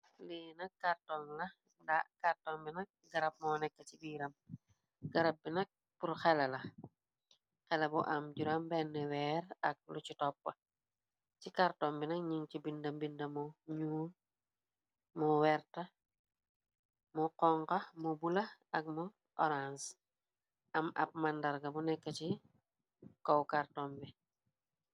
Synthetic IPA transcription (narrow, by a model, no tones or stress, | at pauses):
liːnɐkːartɔŋlɐ | dakaɾtɔmbinɐk̚ɡɐɾɐp̚mɔːnɛkːɐcibiːɾɐm | ɡɐɾɐp̚binɐk̚ | puɾxɛlɐlɐ | xɛlɐbuʔɐmɟuɾɐmbɛnːɛwɛːɾɐk̚lucitɔpːɐ | cikaɾtɔmbinɐkɲiŋcibindɐmbindɐmuɲuː | muwɛɾtɐ | muqɔŋkɐmubulɐɐk̚mu | ɔɾans | ʔɐmɐ̰p̚mandɐɾɡɐbunɛkːɐci | kɔwkartɔmbi